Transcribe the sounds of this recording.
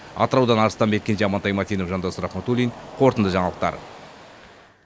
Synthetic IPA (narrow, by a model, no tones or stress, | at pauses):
ɑ̰t̪əɾɑwd̪ɑnɑɾəst̪ɑnbe̞t̪̚kʲeneɑmɑnt̪ɑjmɑt̪ʰijnofʒɑnd̪ɑsʊɾɑχmot̪ulʲijnqʰo̞ɾt̪ənd̪əʒɑɴɑlˠəqt̪ɑ̰ɾ